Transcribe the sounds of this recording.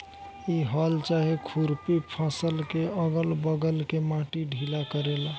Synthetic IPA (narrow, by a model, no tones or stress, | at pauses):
iɦɔlt͡ʃaɦikʰuɾpipʰãsəlkeəɡəlbəɡəlkemãʈiɖʱilakəɾela